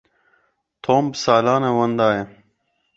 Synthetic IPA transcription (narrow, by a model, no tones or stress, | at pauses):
t̪ʰoːmbsaːlaːnewɐnd̪aːje